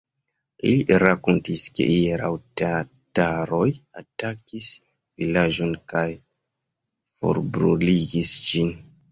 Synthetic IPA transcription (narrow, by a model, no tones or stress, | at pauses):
liʔɾakontiskḛʔieɾa̰wtea | taɾo̞jatakis | vilad͡ʒonkaj | fo̰ɾbɾuliɡisd͡ʒin